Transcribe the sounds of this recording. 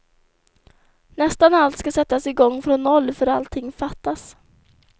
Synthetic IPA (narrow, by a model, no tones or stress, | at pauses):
nɛst̪analt̪skasɛt̪ːasɪɡɔŋːfɾɔnːɔlːfœɾalt̪ʰɪŋːfat̪ːas